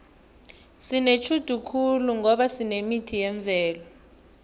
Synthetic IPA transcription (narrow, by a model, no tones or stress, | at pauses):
sinet͡ʃʰud̥ʱukʰuluŋɔɓasinemitʰijɛɱb̪vʱɛːlɔ